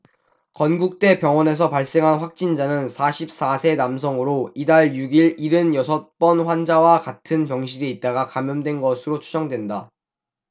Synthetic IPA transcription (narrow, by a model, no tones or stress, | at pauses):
kʌnɡuk̚t͈e̞pjʌŋwʌne̞s̬ʰʌpaɭs͈e̞ŋɦanɸwak̚t͡ɕ͈ind͡ʑanɯnsʰaɕʰip̚s͈asʰe̞namsʰʌŋɯɾoidaɭjuɡiɭiɾɯnjʌsʰʌt̚p͈ʌnɸwand͡ʑawakatʰɯnpjʌŋɕʰiɾiːt̚t͈aɡakamjʌndwe̞nɡʌsʰɯɾot͡ɕʰud͡ʑʌŋdwe̞nda